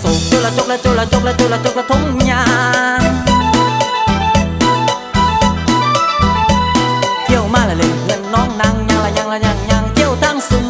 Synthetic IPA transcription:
so˨˩t͡ɕo˧˨wlaː˨˩t͡ɕo˦˥k̚laː˧˩t͡ɕo˧laː˨˩t͡ɕo˧˥˩k̚laː˨˧˩t͡ɕo˧˥˩la˨˩t͡ɕo˧˥k̚la˨˩t̪ʰo˨˧˥ŋ͡mɲaː˧ | ki˧˨ə˨wmaː˧˩laː˨˩le˨˩ŋɨ˧˩ə˨nnɔ˨˦˥ŋna˧ŋɲa˧ŋlaː˨˩ɲa˧ŋlaː˨˩ɲa˨˧˩ŋɲa˧˩ŋt͡ɕi˧˥˨əwt̪ʰa˧˩ŋsɨ˧˩ŋ

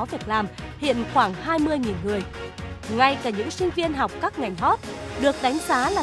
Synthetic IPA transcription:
vi˨˩ək̚laː˨˩mhḭ˧˨ənxwaː˧˩ŋhaː˧jmɨ˧əjŋi˨˩nŋɨ˨˩əjŋa˧jkaː˧˩ɲɨ̰˧˥ŋsï˧ŋ̟vi˧ənɦa˨˩wk͡p̚kaː˦˥k̚ŋa˨˩jŋ̟ɦɔ˦˥t̚ɗɨ˨˩ək̚ɗa˨˦jŋ̟zaː˨˦laː˨˩

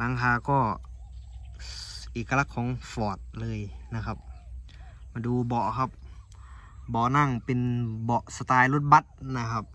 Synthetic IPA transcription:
la˧˥˦ŋɦaː˧˩kɔː˧˩ | ʔeː˨˩kːa˧la˧˩kʰːɔː˨˦ŋfɔː˨˩t̪̚lɤː˧jna˧kʰa˧p̚ | ma˧duː˧bɔ˨˩ʔkʰa˧˥p̚ | bɔ˨˩ʔna˥˩ŋpe˨nbɔ˨˩ʔsa˧t̪aː˧jlo˧˥˩t̪̚ba˧˥t̪̚na˧kʰa˧p̚

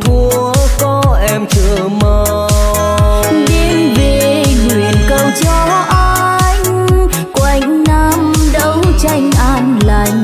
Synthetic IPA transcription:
t̪ʰu˧˩ | kɔ˨˦ʔɛ˧mt͡ɕə˧˩˨ | məː˧˩ | ɗe˧mve˨˩ŋwi˨˩˨ənkə˧˩wt͡ɕɔ˧ | ʔa˧ | jŋ̟ | kwa˨˧˩jŋ̟na˧mɗə˨˧˦wt͡ɕa˧jŋ̟ʔaː˧nla˧˩jŋ̟

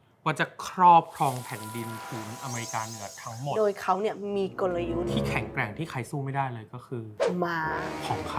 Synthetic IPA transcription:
waː˧˩t͡ɕa˨˩kʰɾɔː˥˩p̚kʰɾɔː˧ŋpʰɛː˨˩˦ndi˧npʰuː˩˦nʔa˧meː˧ɾi˧kaː˧nɯ˨˩˦ɐt̪ʰa˦˥ŋmo˨˩doː˧jkʰa˦˥wni˥˩ɐmiː˧ko˧la˧ju˦˥t̪ʰiː˥˩kʰɛ˩˦ŋkɾɛ˨˩ŋt̪ʰiː˥˩kʰa˧jsuː˥˩ma˥˩jdaː˥˩jlɤː˧jkɔː˥˩kʰɯː˧maː˧kʰɔː˩˦ŋkʰa˦˥

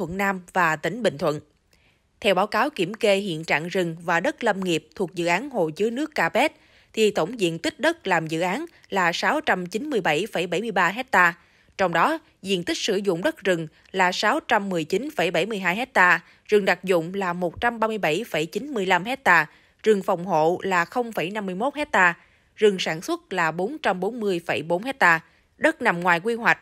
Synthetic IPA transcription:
t̪ʰwə̰˧˨nnaː˧mvaː˨˩t̪ï˧˩ŋ̟ɓï˧˨ŋ̟t̪ʰwə̰˧˨nʔ | t̪ʰɛ˧wɓaː˨˦wkaː˨˦wki˧˩əmke˧ɦḭ˧˨ənt͡ɕa̰ː˧˨ŋzɨ˨˩ŋvaː˨˩ɗə˦˥t̚lə˧mŋi˨˩əp̚t̪ʰu˨˩ək̚zɨ̰˧˨ʔaː˨˦nho˧˨˩jzɨ˨˦əjnɨ˦˥əkːaː˧pɛ˦˥t̚ | t̪ʰi˨˩t̪ə˧˩wŋ͡mzḭ˧˨ənt̪i˦˥k̟̚ɗə˦˥t̚laː˨˩mzɨ̰˧˨ʔaː˨˦n | laː˨˩saː˨˦wt͡ɕa˧mt͡ɕi˨˦nmɨ˧əjɓa˧˩jfə˧˩jɓa˧˩jmɨ˧jɓaː˧ɦɛ˦˥t̚t̪aː˧ | t͡ɕɔ˧wŋ͡mɗɔ˨˦ | zḭ˧˨ənt̪ï˦˥k̚sɨ˧˩zʊ̰˧˨ŋ͡mɗə˦˥t̚zɨ˨˩ŋ | laː˨˩saː˨˦wt͡ɕa˧mːɨ˨˩əjt͡ɕi˨˦nfə˧˩jɓa˧˩jmɨ˧˩əjɦaː˧jɦɛ˦˥t̚t̪aː˧ | zɨ˨˩ŋɗa˨˩k̚zʊ̰˧˨ŋ͡mlaː˨˩mo˨˩t̚t͡ɕa˧mɓaː˧mɨ˧əjɓa˧˩jfə˧˩jt͡ɕi˨˦nmɨ˧əjla˧mhɛ˦˥t̚t̪aː˧ | zɨ˨˩ŋfa˨˩wŋ͡mɦo̰˧˨laː˨˩xə˧wŋ͡mfə˧˩jna˧mːɨ˧əjmo˦˥t̚hɛ˦˥t̚t̪aː˧ | zɨ˨˩ŋsaː˧˩nswə˦˥t̚laː˨˩ɓo˨˦nt͡ɕa˧mɓo˨˦nmɨ˧əjfə˧˩jɓo˨˦nhɛ˦˥t̚t̪aː˧ | ɗə˦˥t̚na˨˩mŋwaː˨˩jkwi˧hwa˨˩k̟̚

